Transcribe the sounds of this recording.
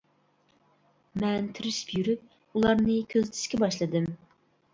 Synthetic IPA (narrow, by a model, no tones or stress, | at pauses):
mɛnt̪ʰɪɾɪʃpjyɾyp̚ | ulˠɑɾnɨkʲʰøzt̪ʰɪ̥ʃkʲɛbɑʃlˠɨd̪ɨm